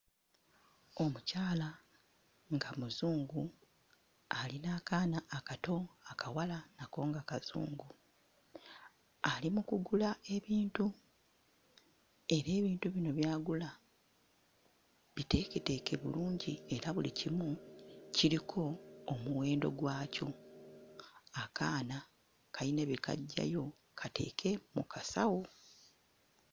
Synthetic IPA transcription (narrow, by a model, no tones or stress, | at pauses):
o̞mucaːla | ŋɡamuzuːŋɡu | alinaːkaːnaʔːkato̞akawalanako̞ːŋɡakaz̥ṵːŋɡu | alimukuɡulae̞βiːntu | e̞ɾe̞ːβiːntuβino̞βjaːɡula | βite̞kete̞ke̞βṵluːɲɟie̞ɾaβulḭcimuciɾikʰo̞ːmuwe̞ːndo̞̰ɡwaːco̞ | akaːna | kaineβikʰa̰ɟːa̰jo̞ | kʰatʰe̞̰ːkʰe̞mṵkʰasawo